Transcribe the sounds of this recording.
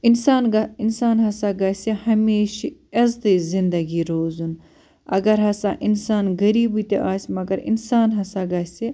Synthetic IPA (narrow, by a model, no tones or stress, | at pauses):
insaːnɪnsaːnɦɐsaɡɐsʲehɐmeːʃiɐzd̪izɪnd̪ɐɡiɾoːzun | ɐ̰ɡɐɾɦɐsaːʔɪnsaːnɡɐɾiːbit̪eʔaːsʲmɐɡɐɾḭnsaːnɦɐsaɡɐse